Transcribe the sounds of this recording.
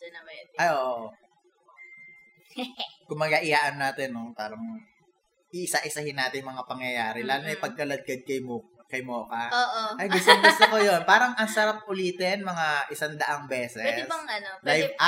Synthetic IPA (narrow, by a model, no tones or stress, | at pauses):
ɐnɐmʔɐjʔoːʔʔʔo | kʊŋmɐɡaʔɪjaːʔɐnːaːt̪ɛnːopaːɾɐŋ | ʔɪʔɪsaʔɪsɐhɪnːaːt̪ɪnjmɐŋapɐŋjɐjaːɾɛlaːlʊŋɐjpɐɡ̚kɐlɐd̪̚kɐd̪̚kɐjmo | kɐjmoːkɐoːʔoʔɐjɡʊst̪oŋɡʊst̪okojonpaːɾɐŋʔɐŋsɐɾap̚ʊliːt̪ɛnmɐŋaʔɪsand̪ɐʔaŋbɛːsɛɛɪsbɐŋɐnolaj